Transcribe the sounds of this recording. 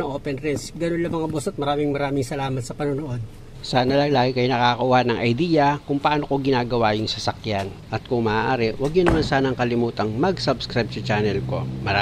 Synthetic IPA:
ɐʔoːpɛnɾɛnsɡɐnonlɐmɐŋabosɐt̪̚mɐɾaːmɪŋmɐɾaːmɪŋsɐlaːmɐt̪sɐpɐnonoʔo̞d̪̚ | saːnɐlɐŋlaːɡɪkɐjnɐkaːkɐʔʊhanɐŋʔɐjd̪iːjɐkʊŋpɐʔaːnoko̞ɡɪnaːɡɐwajʊŋsɐsɐkjanʔɐt̪̚kʊŋmaːʔaːɾɪwɐɡ̚ɲʊnɐmansaːnɐŋkɐlɪmuːt̪ɐŋmɐɡsabskɾajb̚sɐt͡ʃaːnɛlko̞mɐɾa

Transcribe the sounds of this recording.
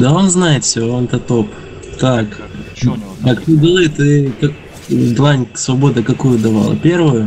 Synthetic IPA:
d̪ao̞nznajɪt̪fʲsʲont̪ət̪o̞p | t̪ak | akt̪uɡɨlˠɨit̪ɨkak | d̪lˠanʲsvɐbo̞d̪əkɐkujʊd̪ɐva̰lˠə̰pʲervʊjʊ

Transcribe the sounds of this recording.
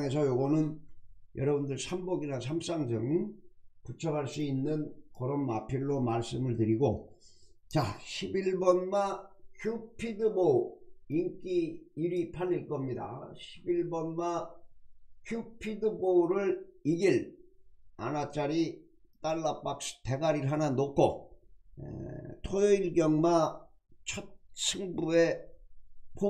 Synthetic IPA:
ŋe̞s̬ʰʌjoɡʌnɯnjʌɾʌbundɯɭsʰambʌɡinasʰams͈aŋd͡ʑɯŋ | kut͡ɕʰʌbaɭs͈uinːɯnkʌɾʌnmapʰiɭːomaɭs͈ɯmɯɭtɯɾiɡo | t͡ɕaɕʰibiɭbʌnmakʰjupʰidɯboiŋk͈iiɾipʰaniɭk͈ʌmɲida̰ɕʰibiɭbʌnma | kʰjupʰidɯboɾɯɭiɡil | a̰nat͡ɕ͈aɾi | t͈aɭːap͈ak̚ste̞ɡaɾiɭɦananokʰo | ḛtʰojʌiɭɡjʌŋma | t͡ɕʰʌt̚sʰɯŋbue̞ | pʰo

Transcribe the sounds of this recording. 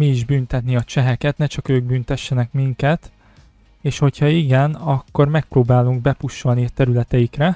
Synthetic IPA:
miːʒbynt̪ɛt̪niɒt͡ʃɛɦɛkɛt̪nɛt͡ʃɒkøːɡ̚byːnt̪ɛʃːɛnɛkmiŋkɛt̪ | eːʃho̞chɒiɡɛnɒkːo̞rmɛk̚proːbaːluŋɡ̚bɛpuʃːo̞lniɒt̪ɛɾylɛt̪ɛjikrɛ

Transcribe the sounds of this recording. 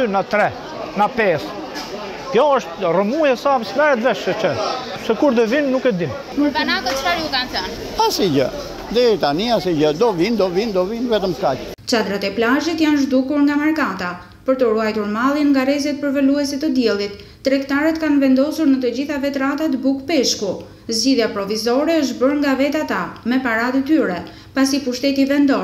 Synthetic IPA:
ynat̪ɾɛ | napɛs | kjɔəʃt̪rəmujɛsamismɛɾɛt̪vɛʃɛt͡ʃɛ | sɛkuɾd̪əvinnːukɛd̪in | munakəfaɾjukanθən | asid͡ʒə̰ | d̪ɛit̪aniasid͡ʒəd̪ɔvind̪ɔvind̪ɔvinvɛt̪əmkat͡ʃ | t͡ɕad̪ɾat̪ɛplaʒit̪janʒd̪ukuɾŋɡamaɾkat̪a | pəɾt̪əɾuajt̪uɾmalˠjɛnŋɡaɾɛzɛt̪̚pəɾvəluɛsɛt̪əd̪jɛlˠit̪ː | ɾɛkt̪aɾɛt̪kanvɛnd̪ɔsuɾnət̪əd͡ʑiθavɛt̪ɾat̪at̪əbukpɛʃku | zd͡ʑiðjapɾɔvizɔɾɛəʃ̬t̪bəɾŋɡavɛt̪at̪amɛpaɾad̪ət̪yɾɛ | pasipuʃt̪ɛt̪ivɛnd̪ɔ

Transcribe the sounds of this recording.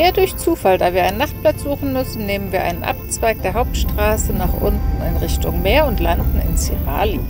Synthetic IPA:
ʔeːɐdʊɐçt͡suːfaldaːviːɐʔaɪnaχt̚plat͡sz̥uːxn̩mʏsn̩neːmənviːɐʔa̰ɪnənʔa̰p̚t͡sv̥aɪk̚d̥eːɐɦaʊp̚tʃtʁ̥aːsənaχʔʊ̰ntn̩ɪnʁɪçtʊŋmeːɐʊntlandn̩ɪ̰nsiʁa̰ːli

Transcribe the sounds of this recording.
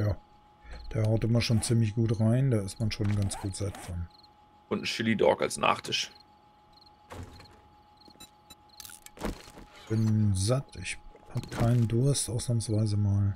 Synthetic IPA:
jaː | d̥eːɐhaʊtʔɪmɐʃoːnt͡siːmlɪçɡ̥uːtʁaɪndaːɪst̚manʃoːnɡant͡sɡ̥uːtz̥atfɔn | ʔʊntn̩ʃɪlidɔ̰ɐka̰lsnʔa̰ːχtʰɪʃ | çb̥ɪnzatɪçhab̥əkʰaɪnəndʊɐstʔaʊsnaːmsv̥aɪzəmaːl

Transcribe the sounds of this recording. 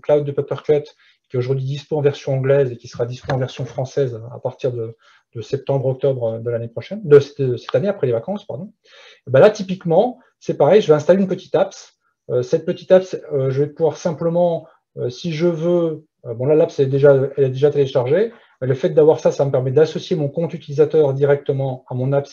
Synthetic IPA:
klawd̪̚ːəpœpœʁklɛt̪ | kʲiɛoʒuʁd̪ɥid̪ispoɑ̃vɛʁsjɔ̃ɑ̃ɡlɛzekʲi̥səʁad̪ispoɑ̃vɛʁsjɔ̃fχɑ̃sɛza̰paʁt̪iʁd̪ə | d̪̥əsɛp̚t̪ɑ̃bʁɔk̚t̪ɔbʁd̪əlanepχɔʃɛnd̪əsd̪əsɛ̥t̪aneapχɛlevakɑ̃spa̰ʁd̪ɔ̃ | ebɛ̃lat̪ipikmɑ̃ | sɛpaʁɛjʒəvɛɛ̃st̪aleynpət̪i̥t̪aps | øsɛt̪̚pət̪it̪apsøʒəvɛpuvwaʁsɛ̃pləmɑ̃ | øsiʒəvø | øbɔ̃lalapsɛɛd̪eʒaɛlɛd̪eʒat̪eleʃaʁʒe | mɛləfɛt̪̚d̪avwaʁsasaməpɛʁmɛd̪asɔsjemɔ̃kɔ̃t̪yt̪ilizat̪œːʁd̪iʁɛk̚t̪əmɑ̃amɔ̃naps

